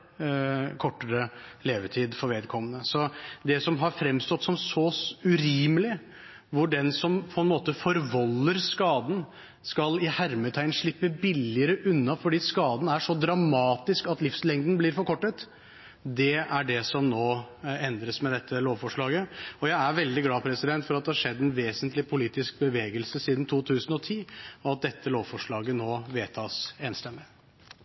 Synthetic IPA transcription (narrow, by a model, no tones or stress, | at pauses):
kʰɔʈːəɾəleːʋəʈʰiːd̪fɔɾʋeːd̪kʰɔmːənəsɔd̪ɛsɔmɦɑɾfɾɛmst̪ɔt̪ːsɔmsɔʉɾiːməlɪ | ʋʊɖɛnsɔmpʰɔɛnmoːt̪əfɔɾʋɑlːəɾskɑːd̪n̩ | skɑlɪhæɾmət̪ʰæɪnʂɭɪpːəbɪlɪəɾəʔʉnːɑfɔɖiːskɑːd̪n̩æʂɔd̪ɾɑmɑːt̪ɪskɑt̪lɪfslɛŋd̪n̩blɪɾfɔɾkʰɔʈːət̪ | d̪ɛæɖɛsɔmnoːɛnd̪ɾəsmɛd̪ɛt̪ʰːəloːʋfɔʂɭɑːɡəɔjæɪæɾʋɛld̪ɪɡlɑːpʰɾɛsɪd̪ɛnt̪fɔɾɑt̪d̪ɛhɑʂɛd̪ːɛnʋeːsənt̪lɪpʰʊliːt̪ɪsk̚bəʋeːɡəlsəsiːd̪n̩t̪ʰuːt̪ʰʉːsən̩ɔt̪ʰiːɔɑt̪̚d̪ɛt̪ːəloːʋfɔʂɭɑːɡənoːʋeːt̪ʰɑːseːnst̪ɛmɪ